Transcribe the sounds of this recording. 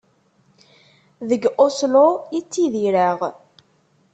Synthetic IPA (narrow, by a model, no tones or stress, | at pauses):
ðəɡʔoslojit͡sːiðiɾaʁ